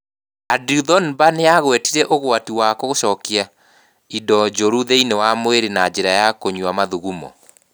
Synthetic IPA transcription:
adiðɔnbaneaɣwɛtiɾɛʔoɣwatiwakɔɣoʃɔkia | idɔd͡ʒoɾuðeinewamweɾenad͡ʒeɾajakoɲuamaðuɣumɔ̰

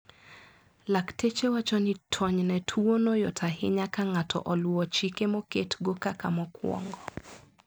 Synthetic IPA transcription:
laktʰet͡ʃewat͡ʃɔnitʰɔɲnɛtʰuonɔjɔtʰaɦɪ̰ɲakaŋatʰɔ̰ʔɔluɔt͡ʃikemɔketɡokakamɔkwɔ̰ŋɡɔ

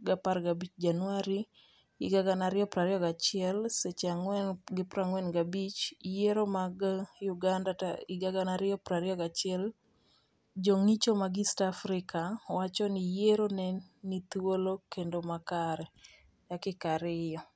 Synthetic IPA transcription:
ɡaparɡabit͡ʃd͡ʒanwaɾi | ɡɪɡaɡanaɾɪjɔpɾaɾjɔɡat͡ʃɪɛlset͡ʃaɡɪpɾaŋwɛnɡabit͡ʃjeɾomaɡjuɡandaɪɡaɡanaɾɪɔpɾaɾɪɔɡat͡ʃɪɛl | d͡ʒoŋit͡ʃomaɡɪstafɾɪkawat͡ʃɔnijeɾonɛnit̪wolokendomakaɾɛ | dakɪkaɾɪjɔ

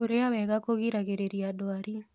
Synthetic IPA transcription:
uɾeabɛɡakoɡiɾaɡeɾeɾiadɔaɾi

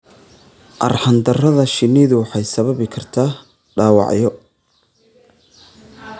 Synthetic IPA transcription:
ʔɐ̰rħɑnd̪ɐrɐðɐʃɪnːiːðʊwɑħɑjsɐβɐβɪkʰɐrt̪ʰaː | ɖaːwɑ̰ʕjɔ

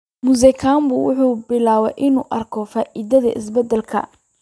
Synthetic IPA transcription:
mʊs̬ɛkʰaːmbʊwʊħuːbɪlaːwɛʔɪnuːʔɐrkʰɔfaːʔiːðɐðɐ̰ʔɪ̰sbɛd̪ɛlkʰɐ̰

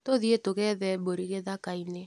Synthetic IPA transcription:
toðietoɣɛðɛboɾiɣeðakaine

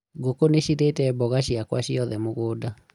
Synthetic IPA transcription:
ɡokoneʃiɾetɛbɔɣaɕiakwa̰ɕiɔðɛmoɣoːda

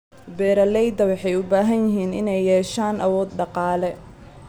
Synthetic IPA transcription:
bɛːɾɐlɛjd̪ɐwɑħɑjʊbaːɦɐnjɪɦiːnɪ̰nɛjːɛːʃaːnʔɐwɔːd̪ɖɑqɑːlɛ

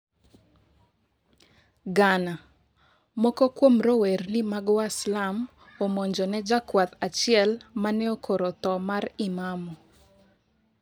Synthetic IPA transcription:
ɡana | mɔkɔkwomɾowernimaɡwaslam | omɔɲd͡ʒɔnɛd͡ʒakwat̪at͡ʃɪɛlmanɛokʰoɾot̪ɔmaɾɪmamɔ

